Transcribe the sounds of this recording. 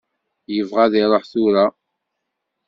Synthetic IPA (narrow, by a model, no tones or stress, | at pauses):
jəvʁaðiɾˤoħθʊɾa